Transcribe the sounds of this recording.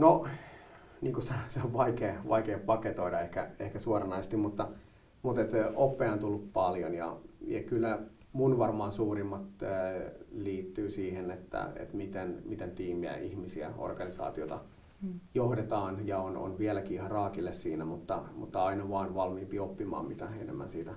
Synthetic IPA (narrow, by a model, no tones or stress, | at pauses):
no | niːŋkusɑnoseoʋʋɑikeːʋɑikeːppɑket̪oiɾɑehkæehkæsuorɑnɑisest̪immut̪ːɑ | mut̪et̪opːeɑnt̪ulːuppɑljonjɑ̰jɑ̰kylːæ | munʋɑrmɑːnsuːrimːɑt̪ː | liːt̪ːyːsiːhenet̪ːæ̰ḛt̪mit̪enmit̪ent̪iːmiæ̰ʔihmisiæ̰o̰rɡ̥ɑnisɑ̰ːt̪iot̪ɑ | johdet̪ɑːnjɑono̰nʋiælækiihɑrɑːkilːessiːnæmut̪ːɑmṵt̪ːɑɑinɑʋɑːnʋɑlmiːmpiopːimɑ̰ːmmit̪æenḛmːæ̰nsiːt̪æ